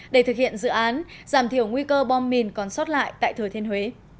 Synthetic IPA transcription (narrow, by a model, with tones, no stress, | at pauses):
ɗe˧˩t̪ɨ˨˩k̚hḭ˧˨ənzɨ̰˧˨ʔaː˨˦nzaː˧˩mt̪ʰi˧˩əwŋwi˧kəː˧ɓɔ˧mːi˨˩nkɔ˨˩nsɔ˦˥t̚la̰ː˧˨jt̪a̰ː˧˨jt̪ʰɨ˨˩t̪ʰe˧nhwe˨˦